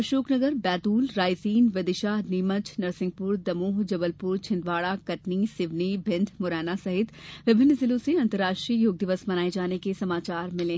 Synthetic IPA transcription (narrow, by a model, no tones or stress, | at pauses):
ʃoːknɐɡəɾbɛːt̪uːlɾaːjziːnʋɐd̪ɪʃaːɦniːmət͡ʃnɐɾsɪ̃ŋɡ̚pʊɾd̪ɐmoːɦd͡ʒɐbəlpʊɾt͡ʃʰɪnd̪ʋaːɽakɐʈnisɪʋnibʱɪ̃nd̪mʊɾɛːnasɐɦɪt̪ʋɪbʱɪnːəzɪlõseɐ̃nt̪əɾːaːʃʈɾiːjoːɡ̚d̪ɪʋəsmɐnaːed͡ʒaːnekesɐmaːt͡ʃaːɾmɪlẽː